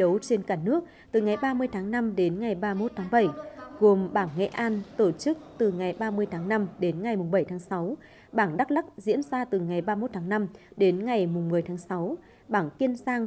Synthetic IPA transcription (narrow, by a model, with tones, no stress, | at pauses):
ɗə˨˦wt͡ɕe˧nkaː˧˩nɨ˦˥ək̚ | t̪ɨ˨˩ŋa˨˩jɓaː˧mɨ˧əjt̪ʰaː˨˦ŋna˧mɗe˨˦nŋa˨˩jɓaː˧mo˦˥t̚t̪ʰaː˨˦ŋɓə˧˩jɣo˨˩mɓaː˧˩ŋŋɛ̰˧˥ʔaː˧nt̪o˧˩t͡ɕɨ˦˥k̚t̪ɨ˨˩ŋa˨˩jɓaː˧mɨ˧əjt̪ʰaː˨˦ŋna˧mɗe˨˦nŋa˨˩jmʊ˨˩ŋ͡mɓə˧˩jt̪ʰːŋsa˨˦w | ɓaː˧˩ŋɗa˦˥k̚ɗa˦˥k̚zḭ˧˥ənzaː˧t̪ɨ˨˩ŋa˨˩jɓaː˧mo˦˥t̚t̪ʰaː˨˦ŋna˧mɗe˨˦nŋa˨˩jmʊ˨˩ŋ͡mmɨ˨˩əjt̪ʰaː˨˦ŋsa˨˦w | ɓaː˧˩ŋki˧ənzaː˧ŋ